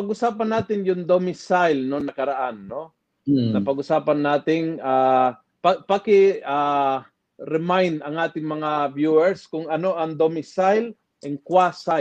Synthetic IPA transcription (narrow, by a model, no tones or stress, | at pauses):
pɐɡʊsaːpɐnaːt̪ɪnjʊŋd̪omɪsajlnonɐkɐɾɐʔanːo | nɐpɐɡʊsaːpɐnːaːt̪ɪŋaː | pɐpakɪaː | ɾɛmajnd̪ɐŋʔaːt̪ɪŋmɐŋabjuːɛɹskʊŋɐno̞ʔɐŋd̪omɪsajl | ʔɛŋkwasa